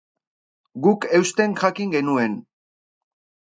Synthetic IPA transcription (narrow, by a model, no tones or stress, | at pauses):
ɡuke̞wst̪e̞ŋʝakiŋɡe̞nue̞n